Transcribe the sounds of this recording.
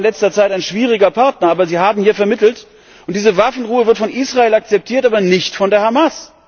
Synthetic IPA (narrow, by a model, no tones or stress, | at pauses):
nlɛt͡stɐt͡saɪtaɪnʃv̥iːʁ̞ɪɡɐpʰaɐtnɐʔaːbɐziːhaːbm̩hiːɐfɛɐmɪtl̩t | ʔʊnt̚d̥iːzəvafn̩ʁuːəvɪɐtfɔnʔiːsʁaeːlak̚t͡sɛp̚tʰiːɐtʔaːbɐnɪçtfɔndeːɐhamas